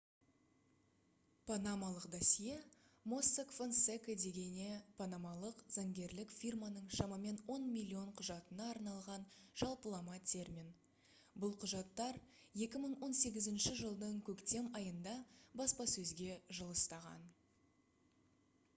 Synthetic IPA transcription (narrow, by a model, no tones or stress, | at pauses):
pʰanamɑlˠəqd̪ɑsije | mosːekfonsekəd̪e̞ɡʲe̞nepʰanamɑlˠəqz̥ɑŋɡʲe̞ɾlɪkfʲirmɑnəɴʃɑmɑme̞nwo̞nmʲilʲːio̞ɴqʰʊʒɑt̪ənɑːɾnɑlˠʁɑnʒ̥ɑlˠpəlˠɑmɑt̪ʲʰe̞ɾmʲin | bʊlˠqʰʊʒɑt̪ːɑɾ | je̞kʲɪməɴwo̞nse̞ɡʲɪzɪnʃɪʒəlˠd̪əɴkʲʰɵkt̪e̞mɑjənd̪ɑbɑspɑsɵzɡʲe̞ʒəlˠəst̪ɑʁɑ̰n